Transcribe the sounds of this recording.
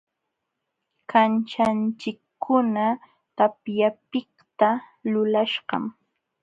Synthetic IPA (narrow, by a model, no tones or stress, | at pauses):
kʰant͡ʃant͡ʃɪkːʊna | t̪apjapɪkt̪a | lʊlaʃɢɑ̰m